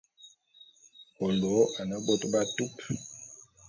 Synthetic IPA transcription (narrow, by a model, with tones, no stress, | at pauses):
o˨ldo˨˦a˨nə˦bo˦tba˦tu˦p